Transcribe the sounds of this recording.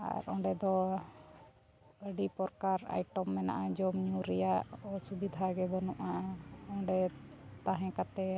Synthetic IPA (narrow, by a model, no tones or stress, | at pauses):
a̰ɾɔ̃ɖɛd̪ɔ | əɖipɔɾkaɾa̰jʈɔmːɛna̰ʔad͡ʒɔmɲuɾɛjaʔɔsubid̪ʱaɡɛbɔnɔʔaɔ̃ɖɛt̪aɦɛ̃kat̪ɛ